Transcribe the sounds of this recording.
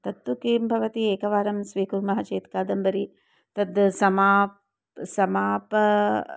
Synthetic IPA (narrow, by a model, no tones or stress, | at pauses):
t̪ɐt̪ːukiːmbʱɐʋɐt̪ieːkɐʋaːɾɐmsʋiːkuɾmɐɦɐt͡ʃeːt̪kaːd̪ɐmbɐɾi | t̪ɐd̪sɐmaːp | sɐmaːpɐ